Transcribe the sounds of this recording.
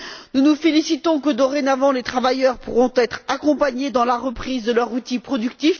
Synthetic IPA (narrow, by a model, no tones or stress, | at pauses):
nunufelisit̪ɔ̃kəd̪ɔʁenavɑ̃let̪χavajœʁpuʁɔ̃t̪ɛt̪χakɔ̃paɲed̪ɑ̃laʁəpχizd̪əlœʁut̪ipχɔd̪ykt̪if